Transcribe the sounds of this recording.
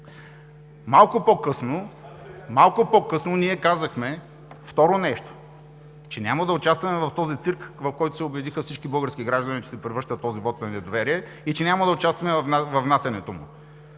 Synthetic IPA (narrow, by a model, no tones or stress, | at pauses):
malˠkʊpokɤsno | malˠkʊpokɤsnoniɛkazəxmɛ | ft̪ɔɾonɛʃt̪o̥ | t͡ʃɛnʲamɐd̪ɐʊt͡ʃast̪vɐmɛvɐft̪ɔzit̪siɾkvɐfkɔjt̪ʊsɛʊbɛd̪ixəfsit͡ʃkibɤlˠɡəɾskiɡɾaʒd̪ɐnit͡ʃɛ̥sɛpɾɛvəɾʃt̪ət̪ːɔzivɔt̪nɐnɛd̪ovɛɾiɛ | it͡ʃɛnʲamɐd̪ɐʊt͡ʃast̪vɐmɛnvɐvnasɛnɛt̪omʊ̰